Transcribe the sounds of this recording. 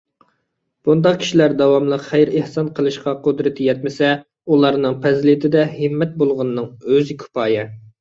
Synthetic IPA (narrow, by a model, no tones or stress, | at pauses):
b̥und̪ɑqkʲi̥ʃilæɾd̪ɑwɑmlˠəqχæjɾehsɑnqʰəlˠɨʃqɑqʊd̪ɾɨt̪ʰɪjɛt̪mɪsɛ | ulˠɑɾnɨŋpʰɛzlɪt̪ʰɪd̪ɛhɨmːɛt̪̚bolˠʁʊnɨːɨŋøzɪkʲʰy̥pʰɑːjɪ